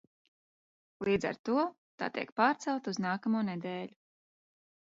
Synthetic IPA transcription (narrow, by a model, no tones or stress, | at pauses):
lˠiːd̪za̰ɾt̪uɔ | t̪a̰ːt̪ḭɛkpaːɾt̪sɛlˠt̪auznaːkamuːnɛd̪ɛːʎu